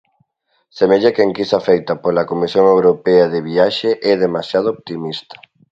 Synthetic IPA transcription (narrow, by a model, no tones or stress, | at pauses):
semeʎakeŋkisafejt̪ɐpolɐkomisjoŋewɾopeɐðeβiaʃeʔɛðemasjað̞ooβt̪imist̪ɐ̥